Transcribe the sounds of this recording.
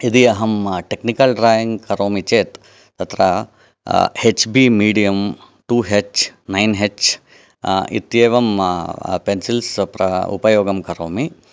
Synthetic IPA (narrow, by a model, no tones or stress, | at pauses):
id̪iɐɦɐmʈeknikɐlɖɾaːjiŋɡkɐɾoːmit͡ʃeːt̪ | t̪ɐt̪ɾɐ | het͡ʃbimiːɽijɐm | ʈuːɦet͡ʃnɐjnɦet͡ʃ | ḭt̪jeːʋɐm | pensilspɾɐ̰ṵpɐjoːɡɐmkɐɾoːmi